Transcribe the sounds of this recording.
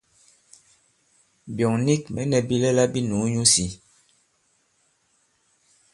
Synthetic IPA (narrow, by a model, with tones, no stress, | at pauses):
bjɔ˨ŋni˦k̚mɛ˨˦nɛ˨bi˦lɛ˦la˦bi˦nu˨˦ɲu˦si˨